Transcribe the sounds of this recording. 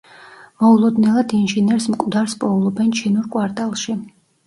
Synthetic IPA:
mɔulˠɔd̪nɛlˠad̪inʒinɛɾsmkʼd̪aɾspʼɔlˠɔbɛnt͡ʃʰinuɾkʼwaɾt̪ʼalˠʃi

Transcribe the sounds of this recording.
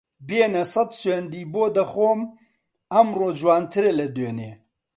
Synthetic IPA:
beːnɐsɐd̪send̪iːboːd̪ɐxoːm | ɐmroːd͡ʒwaːnt̪ʰɨɾelɐd̪øːneː

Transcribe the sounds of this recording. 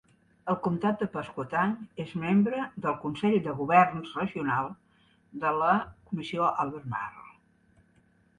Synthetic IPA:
əlˠkumt̪at̪̚d̪əpəskut̪anezmembɾəd̪əlˠkunsɛʎd̪əɣuβɛrnzrəʒiunalˠ | d̪ələkumisioʔalˠβerma̰rl

